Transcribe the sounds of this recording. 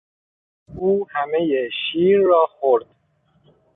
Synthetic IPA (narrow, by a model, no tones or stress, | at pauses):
ʔuːhæmejeʃiːɾːɒːxoɾd̪̥